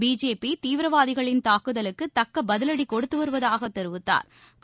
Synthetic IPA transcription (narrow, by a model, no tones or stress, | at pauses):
biːd͡ʒeːpit̪iːʋɪɾɐʋaːðɪɣɐɭɪnt̪aːkɯðɐlɯkːɯt̪ɐkːɐbɐðɪlɐɽikɔɽɯt̪ːɯʋɐɾɯʋɐðaːɣɐt̪ːɛɾɯʋɯt̪ːa̰ːɾ | k